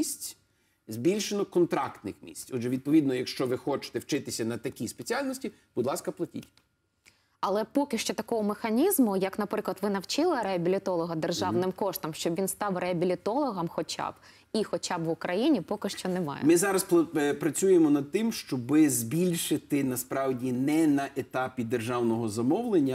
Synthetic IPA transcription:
isʲt͡sʲ | zʲbʲilʲʃenɔkɔnt̪ɾɑkt̪nɪ̰xmʲḭsʲt͡sʲɔdʒɛʋʲid̪̚pɔʋʲid̪nɔjɐkʃt͡ʃɔʋɪxɔt͡ʃɪ̥t̪ɛwt͡ʃɪt̪ɪsʲɐnɐt̪ɐkʲispet͡sʲialʲnɔsʲtʲi | b̥ʊd̪lˠɑskɐplˠɐtʲḭtʲ | ɐlˠɛpɔkɪʃt͡ʃɔt̪ɐkɔɦɔmexɐnʲizmʊjɐknɐpɾɪklˠɐt̪ʋɪnɐwt͡ʃɪlˠɪɾeɐbʲilʲɪt̪ɔlˠɔɦɐd̪erʒɑwnɪmkɔʃt̪ɔmʃt͡ʃɔbʋʲinst̪ɑwrʔeɐbʲilʲit̪ɔlˠɔɦɐmxɔt͡ʃʲa̰b̥ | ixɔt͡ʃabʋʊkɾɐjinʲipɔkɪʃt͡ʃɔnɛmɑ̰jɛ̰mɪzɑɾɐsppɾɐt͡sʲujemɔnɐd̪̚t̪ɪmʃt͡ʃɔbɪzbʲilʲʃɪt̪ɪnɐspɾɑwdʲinɛnɐʔet̪ɑpʲid̪erʒɑwnɔɦɔzɐmɔwlˠenʲːɐ

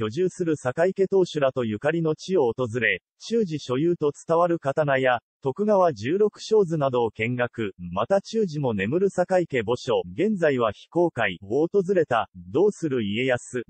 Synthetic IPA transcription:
çʲo̞ʑɨːsɨɾɯ̟sakaike̞t̪o̞ːɕɨɾat̪o̞jɯ̟kaɾʲino̞t͡ɕio̞ːt̪o̞zɨɾe̞ | t͡ɕɨːʑiɕo̞jɯːt̪o̞t͡sɨ̥t̪aβaɾɯ̟kat̪anajat̪o̞kɯ̟ɡaβad͡ʑɨːɾo̞kɯ̟̥ɕo̞ːzɨnad̪o̞ːkẽ̞ŋɡakɯ̟mat̪at͡ɕɨːʑimo̞ne̞mɯ̟ɾɯ̟sakaike̞bo̞ɕo̞ɡẽ̞nd͡zaiβ̞açi̥ko̞ːkaioːt̪o̞zɨɾe̞t̪ad̪o̞ːsɨɾɯ̟ie̞jasɨ

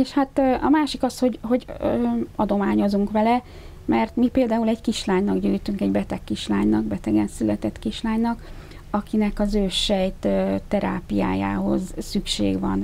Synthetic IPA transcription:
eːʃhat̪ːɒmaːʃikɒsho̞ɟho̞ɟ | ɒd̪o̞maːɲo̞zuŋkʋɛlɛ | mɛrt̪mipeːld̪aːulɛckiʃlaːɲnɒɡɟyːjt̪yŋkɛɟbɛt̪ɛkːiʃlaːɲnɒɡbɛt̪ɛɡɛnsylɛt̪ɛt̪kiʃlaːɲnɒk | ɒkinɛkɒzøːʃɛjt̪ːt̪ɛɾa̰ːpija̰ːja̰ːɦo̞̰zsykʃḛːɡʋɒ̰n

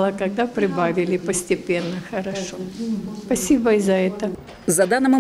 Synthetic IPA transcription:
lˠəkɐɡ̚d̪apɾʲɪbavʲɪlʲɪpəsʲtʲɪpʲe̞nːəxəɾɐʂospɐsʲibəɪzɐɛt̪ə | zɐd̪anːəmʊ

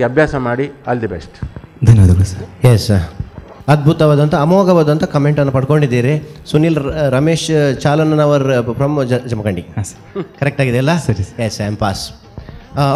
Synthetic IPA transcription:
ɐbʱjaːsɐmaːɽiɐːld̪ebesʈd̪ɐnɐʋd̪ɐɡɐɭusɐɾjes | ɐd̪̚bʱut̪ɐʋaːd̪ɐnt̪ɐːmoːɡɐʋaːd̪ɐnt̪ɐkɐmeɳʈɐnːɐpɐɽko̞ɳɖid̪ːiːɾesuniːlɾɐmeːʃt͡ʃaːlɐnɐnɐʋɐɾpɾɐmd͡ʒd͡ʒɐmɐkɐɳɖiasɐ̥ | kɐɾek̚ʈaːɡid̪eɐlːɐsɐɾjesɐmpaːs

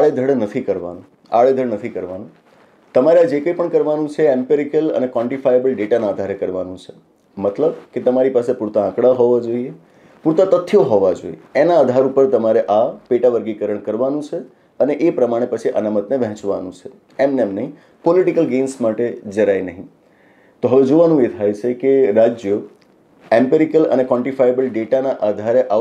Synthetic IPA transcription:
aɭed̪ʱəɽnət̪ʰikəɾʋa̰nũ | a̰ɭed̪ʱəɽnət̪ʰikəɾʋanũ | t̪əmaɾead͡ʒekəjpəɳkəɾʋanũt͡ʃʰeempiɾikələ̰nekʋɔ̃ɳʈifʰajebəlɖeʈanaəd̪ʱaɾekəɾʋanũt͡ʃʰe | mət̪ləbket̪əmaɾipasepuɾt̪aãkɽaɦɔʋad͡ʒoie | puɾt̪at̪ət̪ʰːjoɦɔʋad͡ʒo̰ieenaəd̪ʱaɾupəɾt̪əmaɾeʔapeʈaʋəɾɡikəɾəɳkəɾʋanũt͡ʃʰe | əneʔepɾəmaɽ̃epət͡ʃʰiʔə̰namət̪neʋɛ̃ɦt͡ʃʋa̰nũt͡ʃʰe | emnemnəɦĩ | pɔliʈikəlɡensmaʈed͡ʒəɾajnəɦĩ | t̪oɦəʋed͡ʒoʋanũet̪ʰajt͡ʃʰekeɾad͡ʒjo | ẽmpeɾikələ̰nekʋɔ̃ɳʈifajebəlɖeʈanaʔad̪ʱaɾeʔa

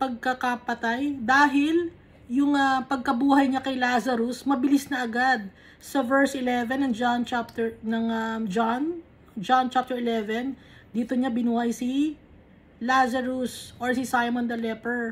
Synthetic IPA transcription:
pɐɡ̚kɐkɐpɐt̪ajd̪aːɦɪl | jʊŋɐpɐɡ̚kɐbuːɦɐjɲakɐjlaːsɐɾʊsmɐbɪlisnɐʔɐɡad̪̚ | sɐvɛɹsʔɪlɛvɛnːɐŋd͡ʒant͡ʃap̚t̪ɛɹnɐŋɐd͡ʒan | d͡ʒant͡ʃap̚t̪ɛɹɪlɛvɛn | d̪iːt̪oɲabɪnuhɐjsi | lasɐɾʊsʔoɹsisajmond̪ɐlɛpɛɹ

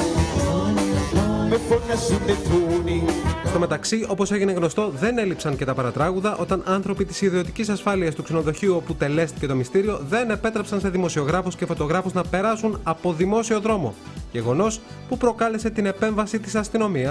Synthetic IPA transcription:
meponɐsibeθunist̪o̞me̞t̪ɐksio̞po̞se̞ʝine̞ɣno̞st̪o̞ðe̞ne̞lipsɐnce̞t̪ɐpɐɾɐt̪ɾɐɣuðɐʔo̞t̪ɐnʔɐnθɾo̞pit̪i̥siðio̞t̪icisɐsfɐliɐst̪ukse̞no̞ðo̞çiuo̞put̪e̞le̞st̪i̥ce̞t̪o̞mist̪iɾio̞ðe̞ne̞pe̞t̪ɾepsɐnse̞ðimo̞sio̞ɣɾɐfusce̞fo̞t̪o̞ɣɾɐfuznɐpe̞ɾɐsunɐpo̞ðimo̞sio̞ðɾo̞mo̞̰ | ʝe̞ɣo̞no̞s | pupɾo̞kɐle̞se̞t̪ine̞pe̞ɱvɐsit̪isɐst̪ino̞miɐs

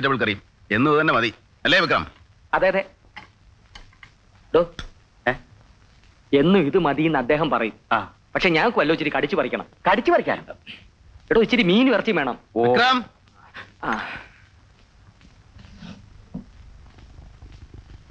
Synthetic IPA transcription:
itːɐʋiɭkɐrijum | enːuðt̪ɐnːemɐði | ɐlːeːʋik̬ra̰ːm | ɐðaːjɐðe | ɖoː | e̞nːuiðɨmɐðijinːɐd̪ːe̞ːɦɐmpɐrɐjumaː | pɐkʂe̞ɲaːŋokːɨʋɐlːoːt͡ɕːiɾikɐɽit͡ɕːɨpɐrikʲːɐɳɐ̰mkɐɽit͡ɕːɨpɐrikʲːa̰ːn | eɽot͡ɕːiɾimiːnɨʋɐrɐt͡ɕːimʋe̞ːɳɐmikɾaːm | a

